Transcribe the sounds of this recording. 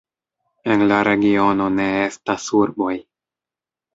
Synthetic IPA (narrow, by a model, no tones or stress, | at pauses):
e̞nlaɾe̞ɡio̞no̞ne̞estasuɾbo̞j